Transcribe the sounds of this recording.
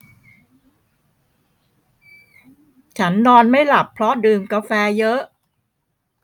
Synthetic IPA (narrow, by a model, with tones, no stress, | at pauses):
t͡ɕʰa˦˥nːɔː˧nma˥˩jla˨˩pʰːɾɔ˦˥dɯː˧mka˧fɛː˧jɤ˦˥ʔ